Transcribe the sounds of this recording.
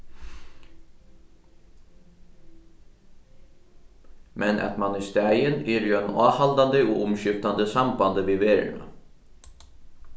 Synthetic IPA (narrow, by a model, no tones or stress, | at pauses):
mʔɛnʔɛ̰t̪mɑnɪst̪æəneːɾjuɛnɑːhɑld̪and̪əuːʔʊmʃʏft̪and̪əsɑmbɑnd̪əʋiːʋeːɾɳɑ̰